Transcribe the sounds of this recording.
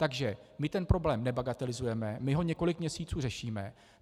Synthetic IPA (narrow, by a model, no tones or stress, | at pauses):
t̪aɡʒɛmɪt̪ɛnpɾo̞blɛːmnɛbaɡat̪ɛlɪzujɛmɛmɪɦo̞ɲɛko̞lɪkmɲɛsiːt͡suːrɛʃiːmɛ